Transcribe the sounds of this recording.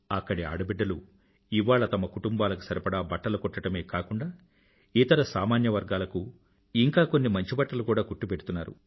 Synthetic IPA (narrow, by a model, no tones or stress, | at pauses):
ɐkːɐɽia̰ːɽɐbiɖːɐlu | iʋaːɭɐt̪ɐmɐkuʈumbaːlɐku̥sɐɾipɐɽaːbɐʈːɐlukɔʈːɐʈɐme̞ːkaːkuɳɖaː | iːt̪ɐɾɐsaːmaːnjɐʋɐɾɡaːlɐku | iŋkaːko̞nːimɐɲt͡ʃibɐʈːɐlukuːɽaːkuʈːupeʈut̪unːaːɾṵ